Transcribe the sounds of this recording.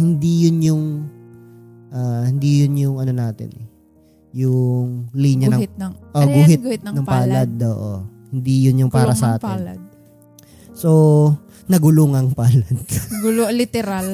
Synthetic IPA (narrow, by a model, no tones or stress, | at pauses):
hɪnd̪ijʊnjʊŋ | ʔaːhɪnd̪ijʊnjʊŋɐno̞naːt̪ɪ̰nɛ | jʊŋliːɲɐnɐʔoɡʊɦɪt̪ɡt̪nɐŋppaːlɐd̪̚o̰ːʔohɪnd̪ijʊnjʊŋpaːɾɐsɐʔaːt̪ɪ̰nd̪̚ | so | nɐɡʊluŋɐŋpaːlɐd̪̥̚ɡʊllɪt̪ɛɾal